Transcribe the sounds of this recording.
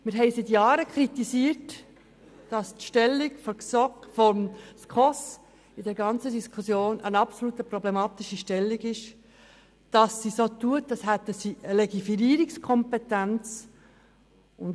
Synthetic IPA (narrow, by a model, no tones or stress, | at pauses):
mɪɾɦɛɪsɪt̪jɑːɾəkʰɾit̪isiːəɾt | d̥ɑstʃtɛlːikfɔɾksɔkfɔmskʰɔs | ɪdɛɾɡɑnt͡sədiskʰusjoːnənɑpsolutəpɾɔblɛmɑːt̪iʃiʃtɛlːiɡɪʃ | d̥ɑsːisoːtuətd̥ɑshæt̪əsiəlɛɡifiɾiːɾikskʰɔmpɛtænt͡s | ʊn